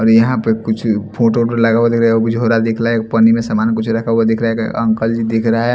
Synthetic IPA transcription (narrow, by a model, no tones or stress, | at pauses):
ɔːɾjɐɦãpekʊt͡ʃʰpʰoʈoʈəɾləɡawad̪ekɾaɦɛobʱid͡ʒʱoɾad̪ekʰɾaɦɛkpənimẽsamankʊt͡ʃʰɾɐkʰawad̪eːkʰɾaɦɛkə̃ŋkəld͡ʒid̪eːkʰɾəaɦɛ